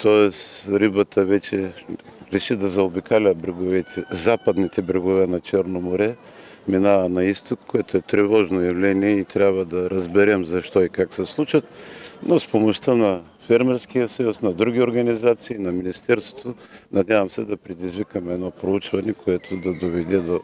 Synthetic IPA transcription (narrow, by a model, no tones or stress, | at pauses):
t̪ɔɛsɾibət̪ʰəvɛt͡ʃɛɾɛʃid̪ɐzɐobikalʲəbɾɛɡovɛt̪ʰɛzapɐd̪nit̪ɛbɾɛɡovɛnɐt͡ʃɛɾnomoɾɛ | minavənɐist̪okːoɛt̪oɛt̪ɾɛvɔʒnojɐvlɛniɛit̪ɾʲabvɐd̪ɐɾɐzbɛɾɛmzɐʃt̪ɔikaksɛslˠut͡ʃət̪nospomoʃt̪ənɐ | fɛɾmɛɾsk̟ijəsɐjusnɐd̪ɾuɡʲioɾɡɐnizat̪siːnɐminist̪ɛɾst̪vo̥t̪onɐd̪ʲavɐmsɛd̪ɐpɾɛd̪izvikəmɛd̪nɔpɾout͡ʃvɐnɛkʰoɛt̪ʰod̪ɐd̪ovɛd̪ɛd̪o